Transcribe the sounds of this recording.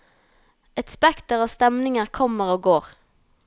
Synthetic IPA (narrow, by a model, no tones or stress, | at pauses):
ɛt̪spɛkt̪əʁoːst̪ɛmnɪŋəʁkʰɔməʁoːɡoːʁ